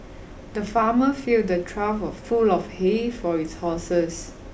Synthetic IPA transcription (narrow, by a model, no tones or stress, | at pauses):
dəfaməfil̚dətʰɹafɔfulɔfhefɔitshɔsəs